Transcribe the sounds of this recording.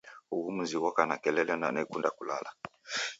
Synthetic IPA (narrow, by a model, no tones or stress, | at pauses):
ukumuziwɔkanakɛlɛlɛna̰nekundakula̰lʔa